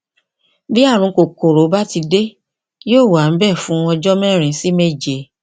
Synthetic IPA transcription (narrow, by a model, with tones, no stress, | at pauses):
bi˦a˦˨ɾ̃ũ˧ko˨ko˨ɾo˨˦ba˦ti˧de˦ | joː˦˨wa˨m̩˦bɛ˦˨fũ˨˦ɔ˧d͡ʒɔ˦mɛ̃˦˨ɾ̃ĩ˧˦si˦me˦˨d͡ʒe˨˦